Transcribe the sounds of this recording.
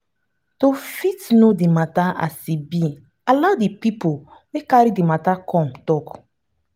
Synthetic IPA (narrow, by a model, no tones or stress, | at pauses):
tofitnodimataa̰sibi | aladipipowekaɾidimatakʰɔ̃mtɔk